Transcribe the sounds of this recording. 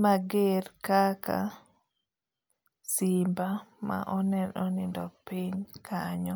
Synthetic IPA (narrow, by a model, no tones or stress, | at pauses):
maɡeɾkaka̰ | sɪmbama̰ʔɔnɛnɔnɪndɔpiɲkʰaɲɔ